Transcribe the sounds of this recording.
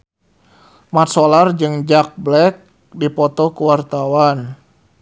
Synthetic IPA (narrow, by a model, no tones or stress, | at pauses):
mat̪̚sɔlard͡ʒɨŋd͡ʒak̚blɛk̚ | dipɔt̪ɔkuwart̪awan